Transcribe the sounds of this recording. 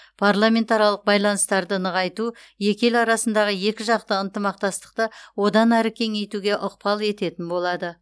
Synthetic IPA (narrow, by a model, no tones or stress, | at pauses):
pʰarlˠamʲe̞nt̪aɾijɑlˠəq̚bɑjlˠɑnəst̪ɑɾd̪ənəʁɑjt̪u | je̞kʲe̞lɑɾɑsənd̪ɑʁəje̞kʲɪʒɑq̚t̪əənt̪əmɑqt̪ɑst̪ə̥q̚t̪əwo̞d̪ɑnæɾɪkʲʰe̞ŋe̞jt̪uɡʲe̞ʔʊq̚pɑlˠe̞t̪e̞t̪ɪnbo̞lˠɑd̪ə